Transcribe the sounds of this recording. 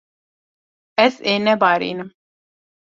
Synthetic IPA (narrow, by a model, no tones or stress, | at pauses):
ɛzeːnɛbaːɾḭːnɨm